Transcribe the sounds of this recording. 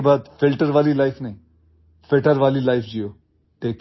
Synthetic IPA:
bat̪fɪlʈəɾʋaːliːlaɪfnaĩ | feʈəɾʋaːliːlaɪfd͡ʑijo | ʈeːk

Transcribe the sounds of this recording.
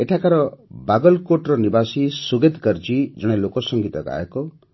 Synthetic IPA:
eʈʰakaɾɔbaɡɔlkoʈɾɔnibasisuɡet̪kɔɾd͡ʒid͡ʒɔɽ̃elokɔsɔŋɡit̪ɔɡa̰ekɔ

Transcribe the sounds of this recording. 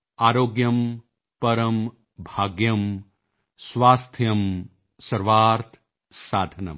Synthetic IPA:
aːɾoːɡjɐm | pɐɾɐm | bʱaːɡjɐm | sʋaːst̪ʰjɐm | sɐɾʋaːɾt̪ʰ | saːd̪ʱɐnɐ̰m

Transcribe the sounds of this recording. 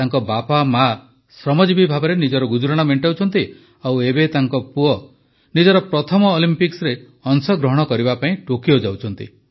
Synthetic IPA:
t̪aŋkɔbapama | sɾɔmɔd͡ʒibibʱabɔɾenid͡ʒɔɾɔɡud͡ʒuɾaɽ̃ameɳʈawt͡ʃʰɔnt̪i | awebet̪aŋkɔpuɔ | nid͡ʒɔɾɔpɾɔt̪ʰɔmɔːlimpiksɾe | ɔŋsɔɡɾɔɦɔɽ̃ɔkɔɾibapaĩʈokiɔd͡ʒawt͡ʃʰɔn̪t̪ḭ

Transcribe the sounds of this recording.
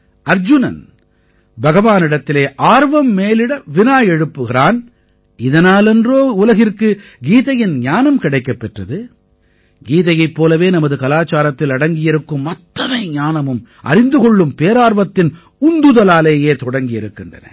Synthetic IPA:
ʔɐɾd͡ʒʊnɐ̰n | bɐɣɐʋaːnɪɽɐt̪ːɪleːʔaːɾʋɐmːeːlɪɽɐʋɪnaːjɛɻɯpːɯɣɪɾaːn | ɪðɐnaːlɛndroːʊlɐɣɪrkɯɡiːðɐjɪnɲaːnɐmkɪɽɐɪkːɐpːɛʈrɐðɯ | ɡiːðɐjɐɪpːoːlɐʋeːnɐmɐðɯkɐlaːt͡ʃːaːɾɐt̪ːɪlɐɽɐŋɡɪjɪɾɯkːɯmːɐt̪ːɐnɐɪɲaːnɐmɯm | ʔɐ̰ɾɪnd̪ɯɣɔɭːɯmpeːɾaːɾʋɐt̪ːɪn | ʊnd̪ɯðɐlaːleːjeːt̪ɔɽɐŋɡɪjɪɾɯkːɪndrɐ̰nɐ̰

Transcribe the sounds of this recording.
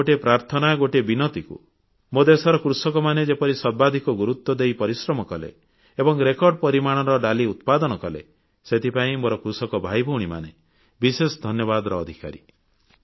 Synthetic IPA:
oʈepɾaɾt̪ʰɔnaɡoʈebinɔt̪ikṵ | mod̪esɔɾɔkɾusɔkɔmaned͡ʒepɔɾisɔɾbad̪ʱikɔɡuɾut̪wɔd̪ejpɔɾisɾɔmɔkɔlḛ | ebɔŋɾekɔɾɖɔpɔɾimaɽ̃ɔɾɔɖaliut̪pad̪ɔñɔkɔlḛ | set̪ʰipaĩmoɾɔkɾusɔkɔbʱajbʱɔwɽ̃ima̰ne | bisesɔd̪ʱɔnjɔbad̪ɾɔːd̪ʱika̰ɾḭ

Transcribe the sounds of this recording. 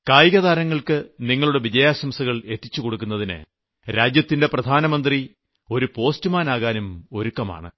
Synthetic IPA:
kaːjɣɐðaːɾɐŋːɐɭkɨniŋːɐɭuɽe̞ʋid͡ʑɐjaːɕɐmsɐɣɐɭe̞t̪ːit͡ɕːuko̞ɽukːunːɐðinɨ̰ | ɾaːd͡ʑjɐt̪ːinde̞prɐd̪ʱaːnɐmɐnd̪ri | o̞ɾupo̞ːstumaːnaːɣaːnumo̞ɾukːɐma̰ːɳɨ̰

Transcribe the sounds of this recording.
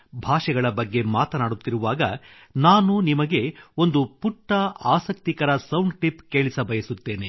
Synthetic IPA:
bʱaːʂɛɡɐɭɐbɐɡːe̞maːt̪ɐnaːɽut̪ːiɾuʋaːɡɐ | naːnunimɐɡe̞o̞nd̪upuʈːɐaːsɐk̚t̪ikɐɾɐsɐwnɖʈipke̞ːɭisɐbʱɐjɐsut̪ːe̞ːne

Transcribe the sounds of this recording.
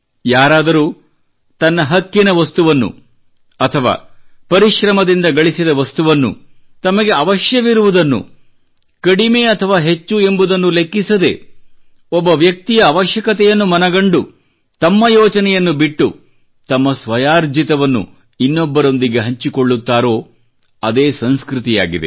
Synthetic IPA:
jaːɾaːd̪ɐɾuː | t̪ɐnːɐɦɐkːinɐʋɐst̪uʋɐnːṵ | ɐt̪ʰɐʋa̰ːpɐɾiʃɾɐmɐd̪ind̪ɐɡɐɭisid̪ɐʋɐst̪uʋɐnːṵ | t̪ɐmɐɡe̞ɐʋɐʃjɐʋiɾuʋud̪ɐnːṵ | kɐɽimeːɐt̪ʰɐʋaːɦe̞t͡ʃːue̞mbud̪ɐnːule̞kːisɐd̪e̞̰ | ɔbːɐʋjɐk̚t̪ijɐːʋɐʃjɐkɐt̪ɛjɐnːumɐnɐɡɐɳɖu | t̪ɐmːɐjoːt͡ʃɐnɛjɐnːubiʈːu | t̪ɐmːɐsʋɐjaːɾd͡ʒit̪ɐʋɐnːṵ | inːɔbːɐɾo̞nd̪iɡe̞ɦɐɲt͡ʃikoɭːut̪ːaːɾo̞ː | ɐd̪eːsɐnskɾut̪ijaːɡid̪ḛ

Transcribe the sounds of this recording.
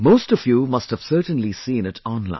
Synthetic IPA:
moʊstʌvjuːmʌsthəv̥sɜ˞tə̃n̩lisĩːnɪtʰɔ̃nlã̰ɪ̃

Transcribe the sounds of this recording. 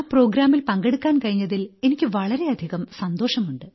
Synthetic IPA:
pro̞ːɡɾaːmilpɐŋɡeɽukːaːnkɐɻiɲːɐðile̞nikʲːɨʋɐɭɐɾe̞ɐd̪ʱiɣɐmsɐnd̪o̞ːʂɐmuɳɖɨ

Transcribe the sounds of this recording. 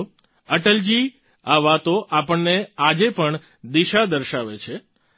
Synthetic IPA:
əʈəld͡ʒi | aʋat̪oʔapəɳnead͡ʒepəɳ | d̪iʃad̪əɾʃaʋet͡ʃʰe

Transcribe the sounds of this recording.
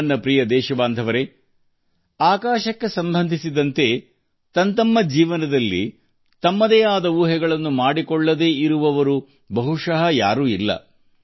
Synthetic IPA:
nːɐpɾijɐd̪ɛːʃɐbaːnd̪ʱɐʋɐɾe̞ | aːkaːʃɐkːe̞sɐmbʱɐnd̪ʱisid̪ɐnt̪e̞ | t̪ɐnt̪ɐmːɐd͡ʒiːʋɐnɐd̪ɐlːḭ | t̪ɐmːɐd̪ɛːaːd̪ɐuːɦɛɡɐɭɐnːumaːɽikɔɭːɐd̪e̞ːiɾuʋɐʋɐɾu | bɐɦuʂɐɦɐjaːɾuːilːɐ̰

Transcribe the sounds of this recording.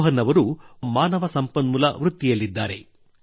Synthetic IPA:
ɦɐnːɐʋɐɾumaːnɐʋɐsɐmpɐnmulɐʋɾut̪ːijɐlːid̪ːaːɾe̞̰

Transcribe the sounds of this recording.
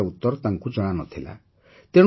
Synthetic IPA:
aut̪ːɔɾɔt̪ãŋkud͡ʒɔɽ̃anɔt̪ʰila̰ | t̪eɽ̃

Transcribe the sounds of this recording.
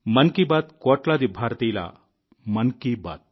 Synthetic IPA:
mɐnkibat̪koːʈlad̪ibʱaɾt̪ijla̰ | mɐnkiba̰ːt̪̚

